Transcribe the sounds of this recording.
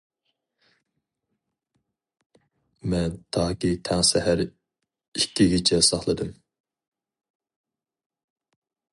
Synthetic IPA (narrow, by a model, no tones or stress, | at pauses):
mɛnt̪ʰɑːkʲit̪ʰɛŋsɛhæɾ | ikʲːiɡʲit͡ʃʰɛsɑχlˠɨd̪ɨm